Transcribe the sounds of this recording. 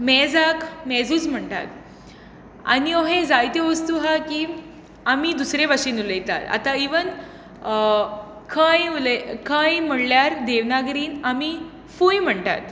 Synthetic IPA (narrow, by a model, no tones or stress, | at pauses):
mɛd͡zakʰmɛd͡zuːt͡sm̤əɳt̪a̰t̪ | a̰nioɦẽd͡zajt̪eʋəst̪uɦaki | amid̪usɾeʋaʂiːnuləjt̪a̰t̪a̰t̪aiʋən | kʰãjuləkʰãjm̤əɽljaɾd̪eʋnaɡɾiːnami | fujm̤əɳt̪a̰t̪